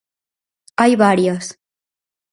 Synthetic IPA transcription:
ajβaɾjos

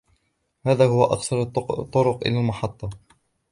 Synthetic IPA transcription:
haːðaːhʊwaʔɑ̰qsɑɾˤt̪ːt̪ˤːʊɾʊqʔɪ̰lalmɑħɑt̪ˤːɑ

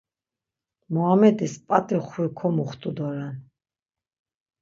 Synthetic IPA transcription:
muamɛd̪ispʼat̪ʼiχwikʰɔmuχt̪ʼud̪ɔɾan

